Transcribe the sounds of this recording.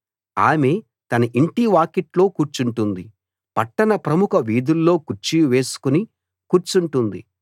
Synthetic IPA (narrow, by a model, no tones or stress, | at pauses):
a̰ːme̞ː | t̪ɐnɐʔiɳʈiʋaːkeʈlo̞ːkuːɾt͡ʃuɳʈund̪i | pɐʈːɐnɐpɾɐmukɐʋiːd̪ulːo̞ːkuɾt͡ʃːijʋe̞ːsu̥kuni | kuːɾt͡ʃuɳʈund̪i